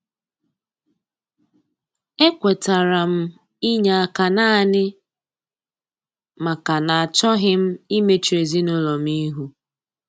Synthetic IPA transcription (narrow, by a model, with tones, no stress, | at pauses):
e˦kʷe˨ta˨ɾa˨m̩˦ | i˦ɲa˨a˨ka˨na˦nɪ˦ | ma˨ka˨na˨a˨t͡ʃɔ˦ɦɪ˦m̩˦i˦me˦t͡ʃe˨zi˦nʊ˦lɔ˨m˦i˦ɦu˦